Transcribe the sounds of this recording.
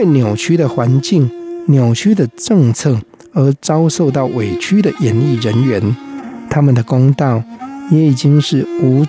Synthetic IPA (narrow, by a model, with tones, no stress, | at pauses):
we˥˩ɪnjo˨˩ʊt͡ɕʰy˥d̪ə˨xwa˧˦nt͡ɕi˥˩ŋnjo˨˩ʊt͡ɕʰy˥d̪ə˨ʈ͡ʂɤ˥˧ŋt͡sʰɤ˥˩ | ə˨˧˥t͡sɑ˦ʊʂo˥˧ʊt̪ɑ˥˩ʊwe˨˩ɪt͡ɕʰy˦˥d̪ə˨jɛ˨˥nli˥˩ɻə˧˦nɥɛ˧˦nt̪ʰa˥mə˨nd̪ə˩ko˥ŋt̪ɑ˥˨ʊjɛ˨˥i˨˩t͡ɕi˦ŋʂɻ̩˥˩u˧˥